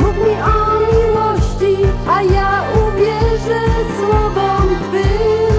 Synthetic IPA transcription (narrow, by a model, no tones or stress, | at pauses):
mukmʲiʔɔmʲiwɔɕt͡ɕiajauvʲjɛʐɛswɔvɔbɪ